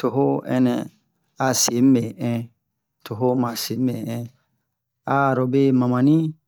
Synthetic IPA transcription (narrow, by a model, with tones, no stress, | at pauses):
to˨ɦo˦ɛ̰˨nɛ˨ | a˨se˨˦m̩˦e˨ɛ̃˦ | tʰo˨ɦo˦mã˨se˨˦m̩˦e˨ɛ̃˦ | a˨ɾo˨be˦mã˨mã˨nĩ˦